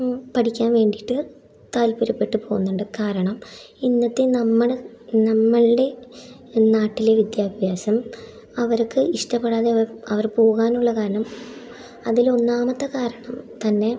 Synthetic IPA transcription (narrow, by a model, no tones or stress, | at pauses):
pɐʈikʲːaːnʋe̞ːɳɖiʈːɨ | t̪aːlpuɾɐpːe̞ʈːɨpo̞ːɣunːuɳɖɨkaːɾɐɳɐminːɐt̪ːenɐmːɐɭnɐmːɐɭɖe̞ | naːʈːile̞ʋid̪jaːbʱjaːsɐm | ɐʋɐɾkːɨiʂʈɐpːeɽaːðeʋɐɐʋɐrpo̞ːɣaːnuɭːɐkaːɾɐɳɐm | ɐðilo̞nːaːmɐt̪ːɐkaːɾɐɳɐmt̪ɐnːe̞